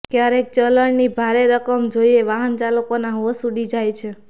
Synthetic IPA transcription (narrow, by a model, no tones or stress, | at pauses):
kjaɾek̚t͡ʃələɳnibʱaɾeɾəkəmd͡ʒoieʋaɦənt͡ʃalokonaɦʋəsuɽid͡ʒajt͡ʃʰe